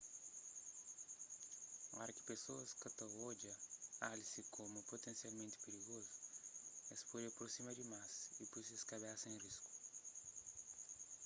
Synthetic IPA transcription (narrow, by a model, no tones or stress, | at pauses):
ɔɾɐki̥pesoɐskɐt̪ɐod͡ʒɐalisikʰomupot̪ẽnsialmẽnt̪i̥peɾiɣozu | espodiɐpɾosimɐd̪imasipujseskɐbasɐẽrisku̥